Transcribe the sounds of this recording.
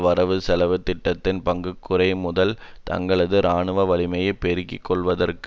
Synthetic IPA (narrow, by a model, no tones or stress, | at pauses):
ʋɐɾɐʋɯsɛlɐʋɯt̪ːɪʈːɐt̪ːɪnpɐŋɡɯkːɯɾɐɪmʊðɐl | t̪ɐ̰ŋɡɐɭɐðɯɾaːɳɯʋɐʋɐlɪmɐjɐpːɛɾɯkːɪ̰kːɔɭʋɐðɐrk